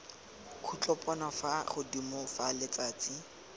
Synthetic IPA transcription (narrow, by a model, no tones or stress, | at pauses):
kʰut͡ɬʼɔpʼɔnafaχʊdimɔfalɪt͡saːt͡si